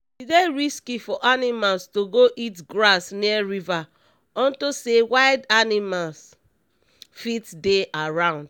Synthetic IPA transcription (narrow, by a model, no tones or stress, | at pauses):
ideɹiskifɔʔanimalstoɡoʔitɡɹasniaɹiva | ɔ̃ntosewaɪdanimals | fitdeʔaɹãʊ̃nd̥